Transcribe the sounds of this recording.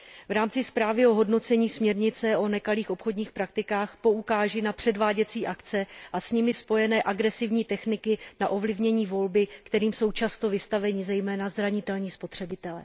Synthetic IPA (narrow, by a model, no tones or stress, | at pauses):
vɾaːmt͡sɪspɾaːvɪo̞ɦo̞dno̞t͡sɛɲiːsmɲɛɾɲɪt͡sɛʔo̞nɛkaliːxo̞pxo̞dɲiːxpɾak̚t̪ɪkaːxpo̞ukaːʒɪnapr̝̥ɛdvaːɟɛt͡siːʔakt͡sɛʔasɲɪmɪspo̞jɛnɛːʔaɡɾɛsɪvɲiːt̪ɛxnɪkɪnaʔo̞vlɪvɲɛɲiːvo̞lbɪkt̪ɛɾiːmso̞wt͡ʃast̪o̞vɪst̪avɛɲɪzɛjmɛːnazɾaɲɪt̪ɛlɲiːspo̞t̪r̝̥ɛbɪt̪ɛlɛ̰